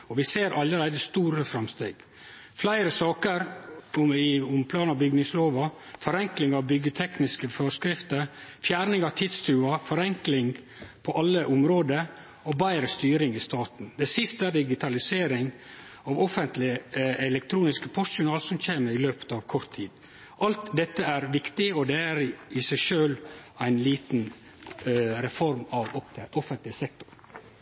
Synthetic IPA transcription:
ɔʋɪseːɾʔɑlːəɾæɪd̪əst̪uːɾəfɾɑmst̪ḛːɡ̥ | flæɪɾəsɑːkəɾʊɪʊmpʰlɑːnɑbʏɡnɪŋsloːʋɑfɔɾɛŋklɪŋɑʋbʏɡːət̪ʰɛknɪskəføːskɾɪft̪əɾfjæːɾnɪŋɑʋt̪ʰɪt̪st̪ʰʉːɑfɔɾɛŋklɪŋ | pʰɔʔɑlːəʔʊmɾoːd̪ə | ɔbæɪɾəst̪yːɾɪŋɪst̪ɑːt̪n̩d̪ɛsɪst̪əæɾd̪ɪɡɪt̪ʰɑlɪseːɾɪŋ | ɑʋɔfənt̪lɪəɛlɛk̚t̪ʰɾuːnɪskəpʰʊsʊnɑːlsɔmc͡çeːməɾɪløːpə̥t̪ɑʋkʰɔɾt̪ʰːiːd̪ | ʔɑlt̪d̪ɛt̪ːəæɾʋɪkt̪ɪɔd̪ɛæɾɪsæɪʃøːlæɪnliːt̪n̩ | ɾɛfɔɾmɑʋɔɔfənt̪lɪsɛk̚t̪ʊ̥ɾ

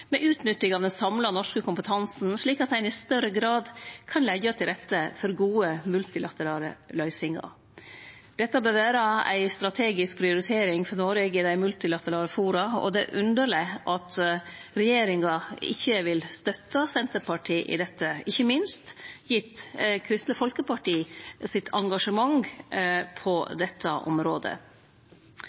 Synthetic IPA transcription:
mɛʔʉːt̪nʏt̪ːɪŋɑʋd̪ɛnsɑmlɑnɔʂkəkʰʊmpət̪ʰɑnsn̩ʂɭiːkɑt̪hæɪnɪst̪œɾəɡɾɑːd̪kʰɑnlɛɡɑt̪ʰɪlɾɛt̪ːəfɔɾɡuːəmʉlt̪ɪlɑt̪əɾɑːlə̰lœʏsɪŋɑ̰ | d̪̥ɛt̪ːəbøːɾʋæːɾəæ̰ɪst̪ɾɑt̪ʰeːɡɪsk̚pʰɾɪʊɾɪt̪ʰeːɾɪŋfɔɾnoːɾɛɡəd̪æɪmʉlt̪ɪlɑt̪əɾɑːləfuːɾɑɔ̰d̪ɛ̰ʔʉnd̪əɾɭɪʔɑt̪ | ɾɛjeːɾɪŋɑɪ̰çːəʋɪlst̪œt̪ːɑsɛnt̪əɾpɑʈʰiːʔɪ̰d̪ɛt̪ːəɪçːəmɪnst̪jɪt̪kʰɾɪst̪ləfɔlkəpɑʈiːsɪt̪ʰɑŋɡɑʂəmɑŋ | pʰɔd̪ɛt̪ʰːəʔɔ̰mɾoːd̪ə̰

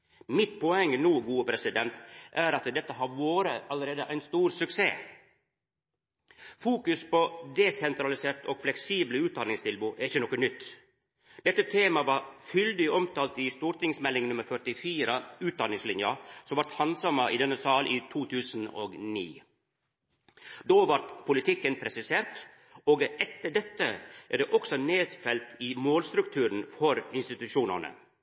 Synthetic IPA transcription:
mɪt̪pʰɔɛŋːənuːɡuːəpʰɾɛsɪd̪ɛnt̪ʔæɾɑt̪d̪ɛt̪ːəɦɑɾʋoːɾəɑləɾeːd̪əʔæɪnst̪uːɾsʉksḛː | fuːkʉspɔd̪ɛsɛnt̪ɾɑlɪseːɾʈ̪ɔɡ̥flɛksiːbləʉːt̪̚d̪ɑnɪŋst̪ʰɪlbuːʔæɾɪçːənɔkːənʏt̪ː | d̪̥ɛt̪ːət̪ʰeːmɑʋɑɾfʏld̪ɪɔmt̪ɑːlt̪ɪst̪uːɾʈ̪ɪŋsmɛlːɪŋnʉməɾfœʈɪfiːɾəʉːt̪̚d̪ɑnɪŋslɪnjəsɔmʋɑɾt̪hɑnsɑmːəʔɪd̪ɛnːəsɑːlʔiːt̪ʰuːt̪ʰʉːsn̩o̰ːɡnḭː | d̪oːʋɑɾt̪pʰʊlɪt̪ʰɪkːənpʰɾɛsɪseːɾʈ̪ | oːɡʔɛt̪ːəɖɛt̪ːəʔæɖɛːʔɔksɔneːd̪fɛlt̪ɪmoːlst̪ɾʉkt̪ʰʉːɾən̩fɔɾɪnst̪ɪt̪ʉʃuːnə̰nə̰

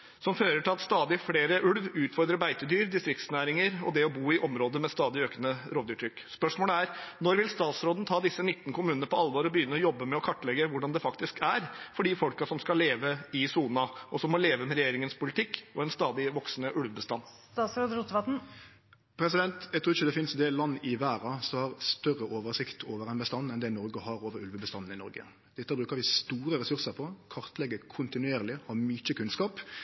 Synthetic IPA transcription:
sɔmføːɾəʈʰɪlɑt̪st̪ɑːd̪ɪfleːɾəʔʉɽʋʉːt̪fɔɾd̪ɾəbæɪt̪əd̪yːɾd̪ɪst̪ɾɪkt̪snæːɾɪŋəɾɔd̪ɛɔbuːɪʔɔmɾoːd̪əmɛst̪ɑːd̪ɪøːkənəɾoːd̪ʉːt̪ʰːɾʏkːspœʂmoːləæɾnɔɾʋɪlst̪ɑːt̪sɾoːd̪n̩t̪ʰɑːd̪ɪsːənɪt̪ːnkʰʊmʉːnənəpʰɔɑlʋoːɾɔbəjʏnːəɾɔjɔbːəmɛɔkʰɑʈːlɛɡəʋʊɖɑnd̪ɛfɑkt̪ɪskʰæɾfɔɖiːfɔlkɑsɔmskɑleːʋəɪsuːnɑɔsɔmːɔleːʋəmɛɾɛjeːɾɪŋənspʊlɪt̪ɪkːɔɛnst̪ɑːd̪ɪʋɔksnəʔʉlʋəbəst̪ɑnː | t̪ɑːt̪sɾɑd̪ɾuːt̪əʋɑt̪n̩ | pʰɾɛsɪd̪ɛnt̪jɛɡt̪ɾuːɪçəd̪ɛfɪnsd̪eːlɑnːɪʋæːɾɑsɔhɑɾst̪œrːəʔoːʋəɾsɪkt̪ʰoːʋəɾɛnbəst̪ɑnːɛnd̪ɛnɔɾɡəhɑɾoːʋəɾʉlʋəbəst̪ɑnːn̩ɪnɔ̰ɾɡə̰ | d̪̥ɛt̪ːəbɾʉːkəɾʋɪst̪uːɾəɾɛsʉɾsəɾpʰɔkʰɑɾt̪lɛɡːəkʰʊnt̪ɪnʉeːɾlɪhɑmʏt͡ʃːəkʰʉnskɑːp

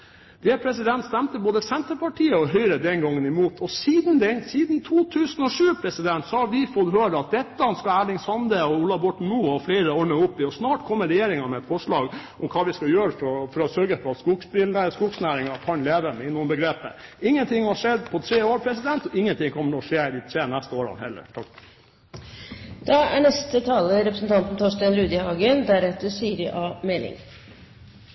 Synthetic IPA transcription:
d̪̥ɛpʰɾɛsɪd̪ɛnt̪st̪ɛmt̪əboːd̪əsɛnt̪əɾpɑʈʰiːəɔɦœʏɾəd̪ɛnɡɑŋːənɪmuːt̪ʰɔsiːd̪n̩d̪ɛsiːd̪n̩t̪ʰuːt̪ʰʉːsənɔʂʉːpʰɾɛsɪd̪ɛnt̪sɔhɑɾʋɪfɔt̪ɦøːɾəɑt̪̚d̪ɛt̪ːəɑnskɑæːɭɪŋsɑnd̪əɔuːlɑʋbɔʈɳ̩muːɔfleːɾəɔɳəʊpːɪɔsnɑːʈkʰɔmːəɾɛjeːɾɪŋɑɾmɛɛt̪fɔʂɭɑːɡʔɔmkʰɑːʋɪskɑjøːɾəfɔfɔɾɔsœɾɡəfɔɾɑt̪skʊksbɪlnəskʊksnæːɾɪŋɑkʰɑnleːʋəmɛɪnːuːnbəɡɾeːpə̰ɪŋːənt̪ʰɪŋːhɑʂɛd̪pʰɔt̪ʰɾeːoːɾpʰɾɛsɪd̪ɛnt̪ɔɪŋːənt̪ɪŋkʰɔmːəɾɔʂeːɪt̪ʰɾeːnæst̪əoːɾɑ̰nhɛlːə̰ɾʈʰɑ | d̪̥ɑæɳɛst̪ət̪ʰɑːləɾɛpɾəsən̩t̪ʰɑnt̪n̩t̪ʰɔʂt̪ɛnɾʉːd̪ɪhɑːɡənd̪æɾɛt̪ːəsiːɾɪʔɑːmeːlɪ̰ŋ

